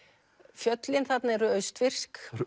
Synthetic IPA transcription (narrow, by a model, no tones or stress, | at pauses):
fjœt̪lɪnθat̪naɛɾʏœɥst̪fɪr̥sk